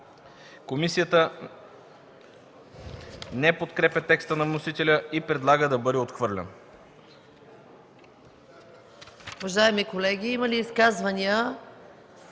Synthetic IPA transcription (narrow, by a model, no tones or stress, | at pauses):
komisijət̪ə | nɛpot̪kɾɛpʲɐt̪ɛkst̪ənɐvnosit̪ɛlʲəipɾɛd̪lˠaɡəd̪ɐbɤd̪ɛot̪xvɤɾlʲɛ̰n | uvɐʒaɛmikolɛɡʲiiməliːskazvɐniə